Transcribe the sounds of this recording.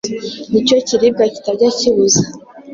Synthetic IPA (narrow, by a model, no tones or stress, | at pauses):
nicociɾibɡaci̥taɟaciβuzḁ